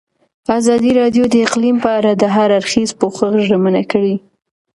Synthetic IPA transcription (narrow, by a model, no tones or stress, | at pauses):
azɑd̪iɾɑd̪jod̪əɪqlimpəaɾad̪əɦaɾaɾxizpoxəɣʒəmənakəɽi